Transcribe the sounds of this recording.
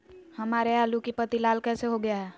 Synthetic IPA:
hɐmaːɾeaːlukipət̪ilaːlkɛːseɦoɡɐjaɦɛː

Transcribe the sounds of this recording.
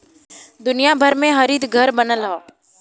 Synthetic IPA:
d̪ʊnijabʱəɾmẽɦɐɾiːd̪ɡʱəɾbənəlɦaː

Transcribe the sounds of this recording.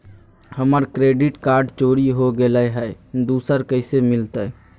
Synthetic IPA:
həməɾkɾeɖiʈkaɾɖt͡ʃoɾiɦoɡeləɦɛɪd̪usəɾkəɪsemilt̪ə

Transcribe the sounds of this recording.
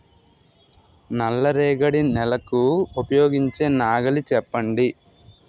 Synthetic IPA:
nɐlːɐɾɛːɡɐɽinɛlɐkuupɐjoːɡiɲt͡ʃe̞ːnaːɡɐlit͡ʃɛpːɐɳɖi

